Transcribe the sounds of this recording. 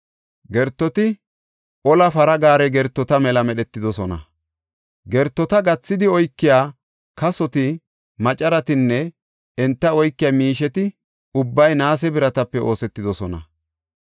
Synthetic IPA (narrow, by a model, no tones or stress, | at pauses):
ɡɛɾt̪ːɔt̪ɪ | ʔɔlɐfɐɾɐɡaːɾɛɡɛɾt̪ːɔt̪ɐmɛlɐmɛɗɛt̪ːɪd̪ɔsɔnɐ̰ | ɡɛɾt̪ːɔt̪ɐɡɐt͡sːɪd̪ɪɔjkːɪjaː | kɐsɔt̪ɪ | mɐt͡ʃʼɐɾɐt̪ɪnːɛ | ɛnt̪ːɐɔjkːɪjaːmiːʃɛt̪ɪ | ʊbːɐjnaːs̬ɛbɪɾɐt̪ɐpːɛo̞ːsɛt̪ːɪd̪ɔsɔnɐ̰